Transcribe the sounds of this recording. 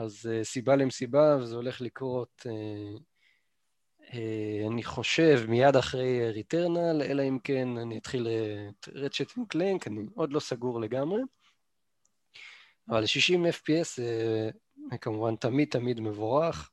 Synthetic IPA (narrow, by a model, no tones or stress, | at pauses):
azesibalemsibavezeo̞le̞χlikʁo̞t̪e | eaniχo̞ʃevmijad̪aχʁe̞jeʁit̪eʁnale̞̰laimke̞nanijat̪χileʁeʃet̪imkleŋkanio̞d̪lo̞saɡuʁle̞ɡamʁe̞ | avalʃiʃimefpiesze | kamuvantamid̪̚tamid̪me̞voʁaχ